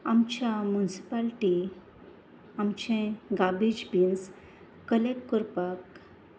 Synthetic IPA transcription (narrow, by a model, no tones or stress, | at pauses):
amt͡ɕjamunsi̥palʈi | amt͡ɕẽɡabid͡ʑbins | kəlekːuɾpak